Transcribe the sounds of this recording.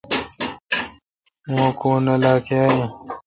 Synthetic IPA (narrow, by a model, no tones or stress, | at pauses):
mũːkuːnɐlaːkjaːjũ